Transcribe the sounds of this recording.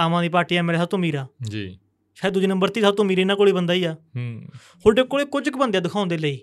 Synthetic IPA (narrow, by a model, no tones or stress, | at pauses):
aːʋãːd̪iːpaːɾʈiːaːmeːɾeːsat̪omiːɾaːd͡ʒḭ | ʃad̪ud͡ʒeːnə̃mbəɾt̪iːsat̪omiːɾiːnãːkoːɽiːbənd̪aːiːaː | holɖeːkoːɽeːkʊd͡ʒkbənd̪ejaːd̪ʊkʰaːnd̪eːləiː